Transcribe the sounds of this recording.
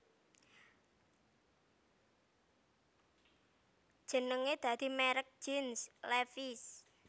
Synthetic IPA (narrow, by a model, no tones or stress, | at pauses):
d̥ʒ̥ə̤nəŋed̪̥a̤d̪̥i̤mɛɾək̚d͡ʒɪnslɛfis